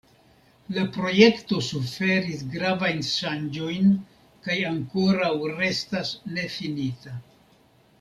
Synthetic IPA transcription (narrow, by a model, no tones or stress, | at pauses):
lapɾo̞je̞kto̞sufe̞ɾisɡɾavajnʃand͡ʒo̞jn | kajaŋko̞ɾawɾe̞stasne̞finita